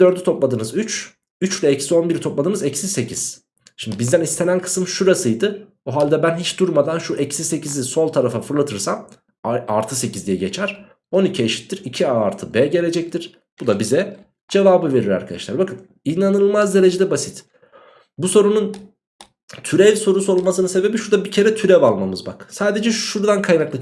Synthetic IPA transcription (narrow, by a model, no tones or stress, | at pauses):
d̪ø̞ɾd̪yt̪ʰo̞plˠad̪ɯːnɯzyt͡ʃ | yt͡ʃlʲɛɛcsio̞nbiɾt̪ʰo̞plˠad̪ɯːnɯzɛcsise̞cʰiz̥ | ʃimd̪ibizd̪ænist̪ʰe̞nænkʰɯ̥sɯmʃuɾasɯjd̪ɯ | oɦalʲd̪ɛbænɦit͡ʃd̪uɾmad̪anʃuʔɛcsise̞ciziso̞lˠt̪ʰaɾafafɯɾlˠat̪ʰɯɾsam | aɾt̪ʰɯse̞cizd̪ijɛɟe̞t͡ʃʰæɾ̥ | o̞nicʰieʃi̥t̪ːiɾicʰiaːɾt̪ʰɯbɛɟe̞lʲe̞d͡ʒɛc̚t̪ʰiɾ̥ | b̥ud̪abizɛ | d͡ʒe̞vaːbɯve̞ɾiɾa̰ɾkʰad̪a̰ʃlˠaɾbakɯn | inanɯɯlˠmazd̪e̞ɾe̞d͡ʒed̪ɛbasit̪ | buso̞ɾunun | t̪ʰyɾɛvʲso̞ɾuso̞ɾulˠmasɯnɯse̞be̞biʃuɾd̪abicʰe̞ɾɛt̪ʰyɾɛvalˠmamɯzba̰ksaːd̪e̞d͡ʒɛʃuɾd̪ankʰajnaklˠɯ